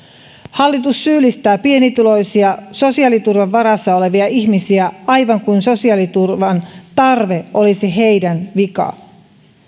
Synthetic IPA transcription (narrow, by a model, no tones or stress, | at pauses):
hɑlːit̪usːyːlːist̪æːpie̞nit̪ylo̞jsiɑso̞siɑlit̪urʋɑʋːɑɾɑsːɑo̞le̞ʋiɑiçmisiæɑjʋɑŋkunso̞siɑlit̪urʋɑnt̪ɑrʋe̞ʔo̞lisiɦe̞jdænʋikɑ̰